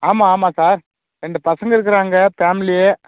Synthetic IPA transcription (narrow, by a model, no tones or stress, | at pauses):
aːmaːaːmaːsaːɾ | ɾɛɳɖɯpɐsɐŋɡɐɪɾɯk̬ːɯɾaːŋɡɐfaːmɪlɪjeː